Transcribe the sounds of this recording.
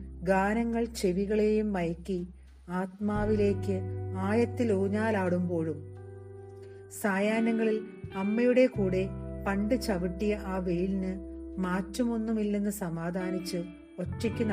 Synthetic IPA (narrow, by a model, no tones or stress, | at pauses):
ɡaːnɐŋːɐɭt͡ɕe̞ʋiɣɐɭe̞jumʋɐjɐkːi | aːt̪̚maːʋile̞ːkːɨaːjɐt̪ːiloːɲaːlaːɽumbo̞ːɻum | saːjaːnɐŋːɐɭilɐmːɐjuɽe̞kuːɽe̞pɐɳɖɨt͡ɕɐʋiʈːijɐʔaːʋe̞jlinɨmaːtːumo̞nːumilːenːɨsɐmaːd̪ʱaːnit͡ɕːɨ | o̞ʈːikʲːun